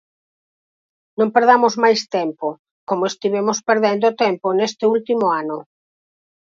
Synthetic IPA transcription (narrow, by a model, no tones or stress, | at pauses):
nõmpeɾð̞amʊzmajst̪ɛmpo | komoest̪iβ̞emospeɾðend̪ot̪emponest̪ɪult̪imʊanʊ